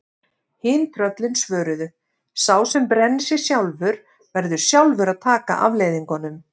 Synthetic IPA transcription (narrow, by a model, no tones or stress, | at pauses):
hɪːnt̪ʰɾœt̪lɪnsvœːɾʏðʏ | saːwsɛmpɾɛnːsɛ̥sjawlvʏɾ | vɛɾðʏɾ̥sjawlvʏɾaðt̪ʰaːka̰ʔavleːjðiŋkɔnʏm